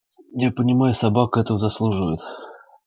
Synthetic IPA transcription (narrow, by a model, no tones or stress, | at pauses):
japənʲɪmajʊsɐbakɛt̪əzɐslˠuʐɨvəjʊt̪